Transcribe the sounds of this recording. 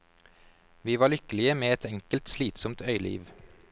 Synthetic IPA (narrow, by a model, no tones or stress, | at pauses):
ʋiːʋɑːɭʏkəlɪəmeːɛt̪ʰɛŋkəlt̪sliːt̪sɔmt̪œʏlḭːʋ